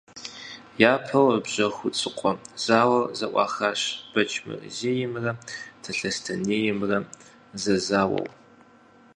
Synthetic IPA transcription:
jaːpʰɐwəbʑɐxʷʊt͡sʼɨqʷʼɔz̥aːwɐrzɐʔʷɑ̰ːxaːɕb̥ɐt͡ʃʰʼmɨ̰rzeːjɪmrɐtʰɐɬɐstʰɐneːjɪmrɐ | zɐzaːwɐ̰w

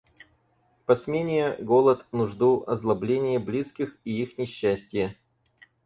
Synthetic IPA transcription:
pɐsmʲenʲɪjəɡolˠət̪nʊʐd̪uʔɐzlˠɐblʲenʲɪjəblʲiskʲɪxiixnʲɪɕːæsʲtʲɪjə

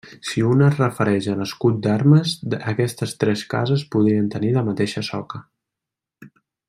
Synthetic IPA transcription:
siunərəfəɾɛʒənəskut̪̚d̪aɾməzəkɛst̪əst̪ɾɛska̰zəspuðɾiənt̪əniləmət̪eʃəsɔ̰kə

